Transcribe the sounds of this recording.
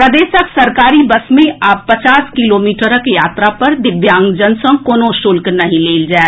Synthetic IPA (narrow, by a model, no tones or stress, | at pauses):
pɾɐd̪eːʃəksɐɾkaːɾibɐsmẽʔaːpːɐt͡ʃaːskɪloːmiːʈəɾəkeja̰ːt̪ɾapɐɾd̪ɪbjãːŋɡd͡ʒənsə̃koːnõʃʊlknɐɦĩleːld͡ʒaːe